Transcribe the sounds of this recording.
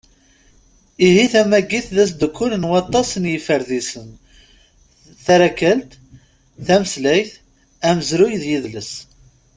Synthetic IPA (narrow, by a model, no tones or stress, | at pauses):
iɦiθæmæɡːiθðæs̬d̪əkʰːʊlənwɑt̪ˤːɑsənjəfəɾðisən | θæɾækːəlt̪ | θæməslæjθ | æməzɾujðjiðləs